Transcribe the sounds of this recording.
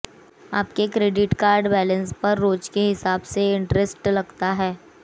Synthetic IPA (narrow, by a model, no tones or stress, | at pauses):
aːp̚kekɾeːɖɪʈkaːɾɖbɛːlə̃nspɐɾːoːd͡ʒkeɦɪsaːbseɪ̃ɳʈɾesʈlɐɡt̪aɦɛː